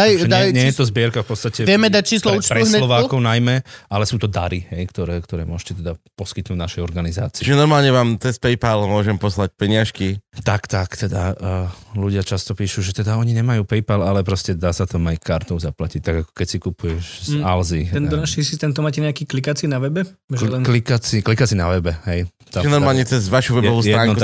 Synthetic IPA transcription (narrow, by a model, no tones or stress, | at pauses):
d̪ajjɲd̪ajɲɛjjɛt̪ɔzbɪɛɾkafpɔt̪st̪acɛʋjɛmɛd̪ac̚t͡ʃiːslɔuːt͡ʃɾɛuɦsɲɛlɔʋaːkɔʊnajmɛalɛsuːt̪ɔd̪aɾiɦɛjkt̪ɔɾɛːkt̪ɔɾɛ̰ːmʊɔʃcɛt̪ɛd̪apɔskit̪nuːɟnaʃɛjɔɾɡaniza̰ːt͡si̥t͡ʃːt͡ʃiʒɛnɔɾmaːlɲɛʋaːmt͡s̪ɛspɛjpalmʊɔʒɛmpɔslac̚pɛɲɪaʃkit̪akt̪akt̪ɛd̪a̰əːluɟɪat͡ʃast̪ɔpiːʃuːʒɛt̪ɛd̪aɔɲiɲɛmajuːpɛjpalalɛpɾɔscɛd̪aːsat̪amajkaɾt̪ɔʊzaplacic̚t̪aɡakɔ̥kɛcsikupujɛʃzalziɦɛnɔnaʃisist̪ɛnt̪ɔmaːcɛɲɛakiːklikat͡sinaʋɛbɛɛklikat͡siklikat͡sinaʋɛbɛɦɛj | t̪aʒɛnɔɾmmaːlɲɛt͡sɛzʋaʃuʋɛbɔʋuːsjtɛɾaːŋuku